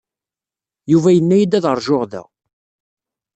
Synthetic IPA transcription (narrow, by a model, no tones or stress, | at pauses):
juvæjənːæjid̪æðəɾˤʒoʁðæ̰